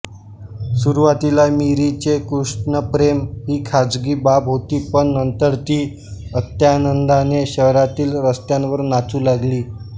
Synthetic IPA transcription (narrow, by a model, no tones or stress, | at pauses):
suɾuʋat̪ilamiɾit͡ɕekɾuʂʈnəpɾemɦiːkʰad͡zɡiːbabɦot̪iːpəɳːənt̪əɾt̪iː | ət̪jaːnənd̪aneɕəɦɾat̪iːlɾəst̪janʋəɾnat͡suːlaɡliː